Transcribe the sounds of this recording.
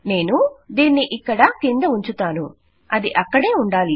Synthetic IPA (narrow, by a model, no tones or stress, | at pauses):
ne̞ːnud̪iːnːiʔikːɐɽɐkind̪ɐuɲt͡ʃut̪aːnu | ɐd̪iʔɐkːɐɽe̞ːuɳɖaːli